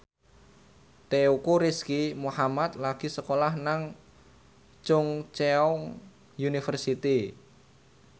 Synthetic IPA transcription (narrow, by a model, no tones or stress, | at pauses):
t̪eukuɾiskimuhamat̪̚laɡ̥i̤səkolahnaŋ | t͡ʃʊŋt͡ʃeɔŋ | junifərsit̪i